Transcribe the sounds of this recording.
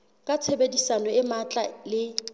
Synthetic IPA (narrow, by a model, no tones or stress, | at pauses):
kʼat͡sʰebedisanɔɪmat͡ɬʼalɪ